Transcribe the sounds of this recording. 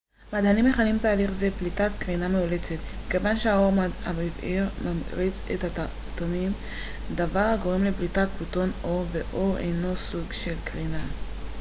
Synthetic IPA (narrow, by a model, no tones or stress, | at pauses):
mad̪hanimeχalimbt̪aːliχzeblitat̪kʁinameule̞t͡set̪meke̞vanʃeao̞ʁamiviʁmamʁit͡sḛt̪ata | t̪omim | d̪avaʁhaɡo̞ʁemleblitat̚puto̞no̞veʔoʁḛjno̞suɡʃe̞lkʁina